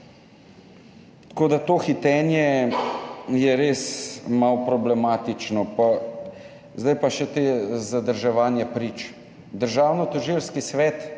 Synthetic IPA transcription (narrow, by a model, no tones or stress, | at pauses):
t̪koːd̪at̪oːxit̪ɛːnjɛ | jɛɾeːsmawpɾɔblɛmaːt̪it͡ʃnɔpa | zd̪ajpaʃɛt̪ezad̪əɾʒɛʋaːnjɛpɾit͡ʃ | d̪əɾʒaːwnɔt̪ɔʒilskisʋɛt̪